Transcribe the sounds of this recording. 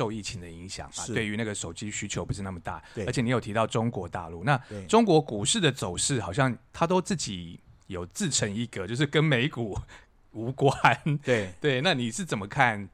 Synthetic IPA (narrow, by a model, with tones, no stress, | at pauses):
o˥˧ʊi˥˩t͡ɕʰi˧˥ŋd̪ə˨i˧˥ŋɕjɑ̰˨˩˦ŋa˨˦we˥˩ɪy˧˥na˥˩ɡə˩ʂo˨˩ʊt͡ɕi˥ɕy˥t͡ɕʰjo˧˦ʊpu˧˦ʂɻ̩˥˧na˥˩mə˩t̪a̰˥˩ə˧˥t͡ɕʰɛ˨˩ni˧˥jt̪ʰi˧t̪ɑ˥˩ʊʈ͡ʂʊ˥ŋkwɔ˧˥t̪a̰˥˧lu˥˩na˥˨ʈ͡ʂʊ˥ŋkwɔ˧˥ku˨˩ʂɻ̩˥˩d̪ə˩t͡so˨˩ʊʂɻ̩˥˩xɑ˨˩ʊɕjɑ˥˩ŋt̪ʰa˥t̪̬o˥ʊt͡sɹ̩˥˩t͡ɕi˨˩˦jo˨˩ʊt͡sɹ̩˥˩ʈ͡ʂʰə˧˥ŋi˥˩ɡə˨t͡ɕjo˥˧ʊʂɻ̩˥˩kə˥nme˧˥ɪku˨˩ | u˧˥kwa˥n˩t̪we˥˩ɪna˥˨ni˨˩ʂɻ̩˥˩t͡sə˨˩nmə˦kʰa˥˩n